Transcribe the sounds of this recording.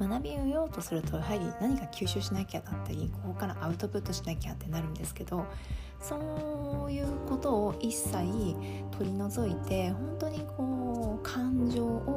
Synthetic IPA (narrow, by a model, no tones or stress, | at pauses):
manabʲijo̞ːt̪o̞sɨɾɯ̟t̪o̞aɦaɾʲḭnaɲ̟ikakʲʰɨːɕɨːɕinaikʲad̪at̪ːaɾʲikoɦokaɾaʔaɯ̟t̪o̞pɯ̟t̪ːo̞ɕinaikʲat̪ːe̞naɾɯ̟̃nd̪e̞sɨ̥ke̞d̪̥o̞ | so̞ːjɯ̟ːko̞t̪o̞ːʔisːai | t̪ʰo̞ɾʲino̞zo̞it̪e̞ɦõ̞nt̪o̞ɲ̟ikʰo̞ːkʰãɲd͡ʑo̞ːo